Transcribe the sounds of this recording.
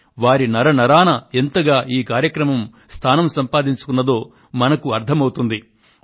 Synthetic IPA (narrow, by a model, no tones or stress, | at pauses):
ʋaːɾinɐɾɐnɐɾaːnɐent̪ɐɡaːʔiːkaːɾjɐkɾɐmɐm | st̪ʰaːnɐmsɐmpaːd̪iɲt͡ʃu̥kunːɐd̪o̞ː | mɐnɐkuɐɾt̪ʰɐmɐwut̪und̪i